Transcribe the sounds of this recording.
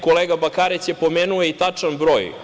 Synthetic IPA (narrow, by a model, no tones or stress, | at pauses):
koleɡabakaːɾesjepo̞meːnuoeit̪at͡ʂanbɾoːj